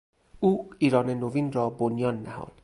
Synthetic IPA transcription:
uːiːɾɒːnenoviːnrɒːbonjɒːnːæhɒ̰ːd̪̥

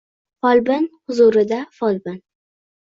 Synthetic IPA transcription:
fɒlbɪnhʊzuɾɪd̪afɒlbɪn

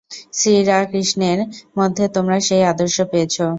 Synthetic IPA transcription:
sɾiɾakɾiʃneɾmod̪ʱːet̪omɾaʃejad̪oɾʃopejet͡ɕʰo

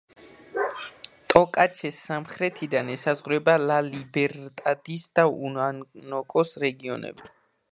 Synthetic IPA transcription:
t̪ʼɔkʼat͡ʃʰɛsamχɾɛt̪ʰid̪anɛsazʁɾɛbalalibɛɾt̪ʼad̪isd̪̥aunanɔkʼɔsɾɛɡiɔ̰nɛ̰bi

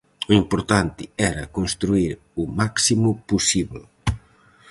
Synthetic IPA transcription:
uimpoɾt̪ant̪ɪɛɾɐ̰kõnst̪ɾuiɾ | ʊmaksimʊpusiβl

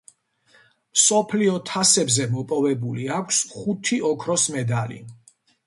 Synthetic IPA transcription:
msɔpʰliɔt̪ʰasɛbzɛmɔpʼɔvɛbuliakʷʰsχut̪ʰiɔkʰɾɔsmɛd̪alḭ

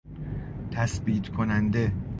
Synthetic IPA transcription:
t̪ʰæsbiːt̪ʰkʰonænd̪e

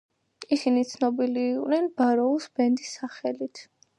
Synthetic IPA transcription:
isinit̪sʰnɔbiliːqʼwnɛnbaɾɔusbɛnd̪isːaχɛlit̪ʰ

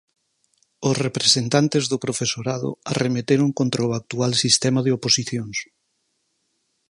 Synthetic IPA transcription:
osrepɾesent̪ant̪ezðʊpɾofesoɾaðʊ̰aremet̪eɾʊŋkont̪ɾaoak̚t̪ualsist̪ɛmaðeoposiθjoŋs

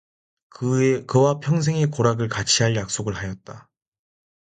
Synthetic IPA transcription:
kɯkɯwapʰjʌŋs̬ʰeŋekoɾaɡɯɭkat͡ɕʰiɦaɭjak̚s͈oɡɯɭhajʌt̚t͈a

